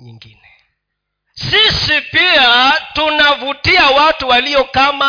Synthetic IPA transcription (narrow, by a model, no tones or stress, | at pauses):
ɲḭŋɡinɛ | sisipiatunavutiawatuwaliɔkama